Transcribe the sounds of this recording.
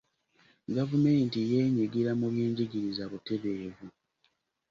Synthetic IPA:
ɡavumeːntijeːɲiɡiɾamuβjeːɲɟiɟiɾizaβute̞βe̞ːvu

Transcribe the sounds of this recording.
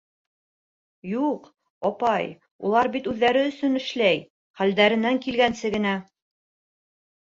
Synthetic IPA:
juq | ɒpɑj | ṵlˠɑɾbit̪ʉðːæɾɘɵ̆sɵnɘ̆ʃlæj | χæld̪æɾɘ̆næŋkilɡænsɘɡɘ̆næ

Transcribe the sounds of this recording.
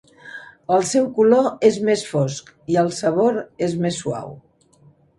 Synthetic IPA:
əlˠsɛwkuloezmesfosk | iəlˠsəβoɾezmesːua̰w

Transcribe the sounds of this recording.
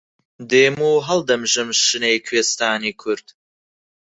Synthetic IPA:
d̪eːmuːɦɐld̪ɐmʒɨmʃɨnejkʰweːst̪aːniːkʰʊɾd̪̥

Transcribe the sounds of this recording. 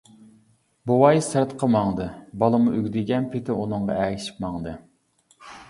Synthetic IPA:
buwɑjsæɾt̪qʰəmɑŋd̪ɨbɑlˠɨmuyɡʲd̪ɪɡʲɛnpʰɪt̪ʰɪunɨŋʁɑ̰ɛʃi̥pmɑŋd̪ɨ

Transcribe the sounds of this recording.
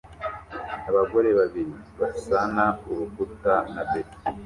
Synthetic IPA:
aβaɡo̞ɾe̞βaβiɾiβasanauɾukutanabe̥

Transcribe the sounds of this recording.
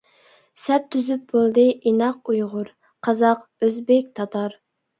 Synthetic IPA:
sɛp̚t̪ʰyzyp̚bolˠd̪ɨʔinɑq̚ujʁʊɾ | qʰɑzɑqøzbɪk̚ʲt̪ʰɑt̪ʰɑɾ

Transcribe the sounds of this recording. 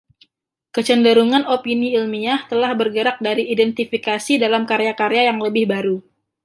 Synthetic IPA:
kət͡ʃəndəɾuŋanopiniilmiaht̪əlahbərɡəɾak̚daɾiːdɛnt̪ifikasidalamkaɾejakaɾejajaŋləbɪhbaɾu

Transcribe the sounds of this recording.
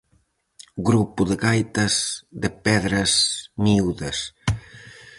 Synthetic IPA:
ɡɾupuðeɣajt̪ɐzd̪epɛðɾɐzmiuðɐs

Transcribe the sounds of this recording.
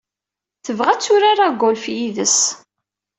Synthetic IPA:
θəvʁæt͡sːʊɾaɾˤaɡʷːʊlfjiðəs

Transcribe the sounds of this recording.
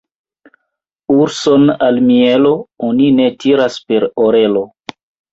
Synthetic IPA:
uɾso̞nalmielo̞onine̞tiɾaspe̞ɾoɾe̞lo̞

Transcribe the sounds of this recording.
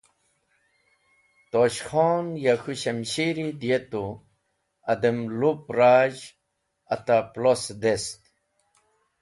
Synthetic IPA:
t̪oɕxoːnjaxuɕɐmɕiɾid̪jet̪u | ɐd̪emlupɾaːʑ | ɐt̪aplosd̪est̪

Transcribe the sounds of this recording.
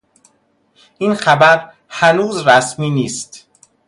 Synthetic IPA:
ʔiːnxæbæɾ | hænuːzɾæsmiːniːst̪

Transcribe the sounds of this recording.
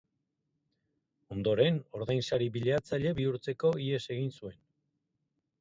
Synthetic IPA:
o̞nd̪o̞ɾe̞no̞ɾðajnsaɾiβiʎeat͡saʎe̞βiuɾt͡se̞ko̞ie̞se̞ɣ̞insue̞n

